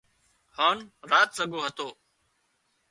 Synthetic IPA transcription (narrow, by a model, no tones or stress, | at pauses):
haːnɾaːt̪səɡoːɦət̪oː